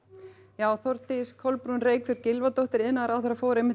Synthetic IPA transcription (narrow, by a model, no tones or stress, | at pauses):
jaːwθɔɾt̪ɪskʰɔlpɾunreːjkfɪɾɪɾcɪlvat̪owht̪ɪɾɪnːaðɾawθɛɾafoːwɾejmɪh